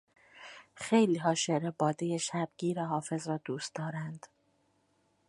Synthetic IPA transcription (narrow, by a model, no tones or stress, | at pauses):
xejliːɦɒːʃeɾebɒːd̪ejeʃæb̚ɟiːɾɛɦɒːfe̞zɾɒːd̪uːst̪d̪ɒːɾænd̪̥